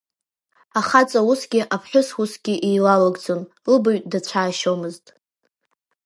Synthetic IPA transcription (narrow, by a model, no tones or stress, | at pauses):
aχat͡sʼawusɡʲɪʔapʰħʷᶣʊswusɡʲɪʔijlalaɡʼd͡zʼon | lɨboɥʼdat͡ɕʷʰaːʃomɨztʼ